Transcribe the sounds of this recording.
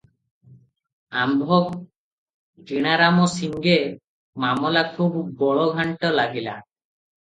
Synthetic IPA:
a̰mbʱɔk | d͡ʒiɽ̃aɾamɔsiŋɡe | mamɔlakʰubːɔɭɔɡʱaɳʈɔlaɡila̰

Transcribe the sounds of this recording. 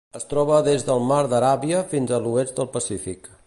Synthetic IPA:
əst̪ɾɔβ̞əðezðəlˠmaɾd̪əɾaβiəfinzəluezd̪əlˠpəsifik

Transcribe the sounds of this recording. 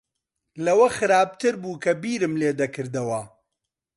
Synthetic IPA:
lɐwɐxɨɾaːb̚t̪ʰɨɾbuːkʰɐbiːɾɨmleːd̪ɐkɨɾd̪ɐwɐ

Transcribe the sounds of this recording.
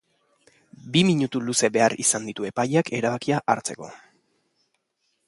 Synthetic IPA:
bimiɲut̪uluse̞βe̞arisand̪it̪ue̞pajake̞ɾaβ̞akiaʔaɾt͡se̞ko̞̰

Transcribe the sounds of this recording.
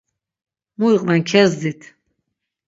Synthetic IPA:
muiqʼvɛnkʰɛzd̪it̪ʰ

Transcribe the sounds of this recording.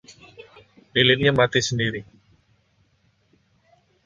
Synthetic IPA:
dilin̚ɲamat̪isəndiɾi

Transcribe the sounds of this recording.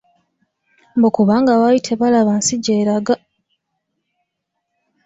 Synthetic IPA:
mbokuβaːŋɡawajitʰe̞βalaβansiɟe̞ːɾaɡa

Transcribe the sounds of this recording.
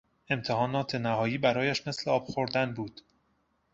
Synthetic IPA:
e̞mt̪ʰe̞hɒːnɒːt̪ʰenæhɒːjiːbæɾɒːjæʃme̞sleɒːb̥xo̞ɾd̪ænbuːd̪̥

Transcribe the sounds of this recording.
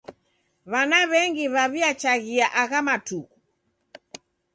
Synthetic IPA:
βanaβɛŋɡiβaβiat͡ʃaɣiaʔaɣamatuɣ

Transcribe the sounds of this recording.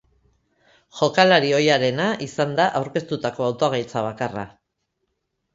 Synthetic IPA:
ʝo̞kalaɾio̞jaɾe̞naʔisand̪aʔawɾke̞st̪ut̪ako̞awt̪oaɣajt͡saβ̞akara̰

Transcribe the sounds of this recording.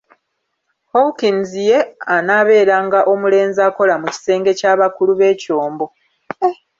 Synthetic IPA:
howkinzije̞anaːβe̞ːɾaŋɡaʔo̞mule̞ːnzaːko̞lamuci̥se̞ːŋɡe̞caːβakuluβe̞ːco̞ːmbo̞

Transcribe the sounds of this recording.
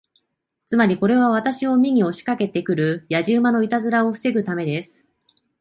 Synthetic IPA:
t͡sɨmaɾʲiko̞ɾe̞β̞aβ̞at̪aɕio̞mʲiɲ̟io̞ɕi̥kake̞t̪e̞kɯ̟ɾɯ̟jaʑɨːmano̞it̪azɨɾao̞ɸɯ̥se̞ɡɯ̟t̪ame̞d̪e̞sɨ̥

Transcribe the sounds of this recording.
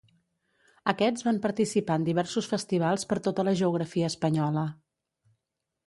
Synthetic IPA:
əkɛd͡zβampəɾt̪isipaənd̪iβɛɾsusfəst̪iβ̞alˠspəɾt̪ot̪ələʒəuɣ̞ɾəfiəːspəɲɔlə

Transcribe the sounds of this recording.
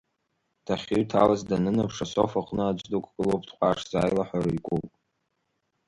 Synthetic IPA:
tʰaχʲiɥtʰa̰lazdanɨnapʰʂasofaqʼnɨad͡ʒʷdukʷʰʼɡʼɨlowpʰtqʷʰʼaʂzaːjlaħaɾikʷʼupʼ

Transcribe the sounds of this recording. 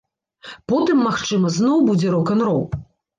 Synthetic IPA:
pɔt̪ɨmːaxt͡ʂɨmɐznɔwbud͡zʲɛɾɔkɐnɾɔw

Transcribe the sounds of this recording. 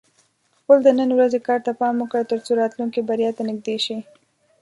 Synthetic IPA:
xpəld̪ənənwɾazekɑɾt̪apɑmʊkɽət̪əɾt͡soɾɑt̪lunkibaɾjɑt̪anɪɡ̚d̪eʃi

